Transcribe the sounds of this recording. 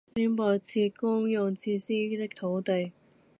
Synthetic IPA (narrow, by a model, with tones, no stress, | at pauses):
piː˥npɔː˧˩t͡sʰiː˧kʊ˥ŋjʊ˨˩ŋt͡sʰiː˧siː˥t̪ɪ˥k̚t̪ʰo˨˧˥wt̪e˨j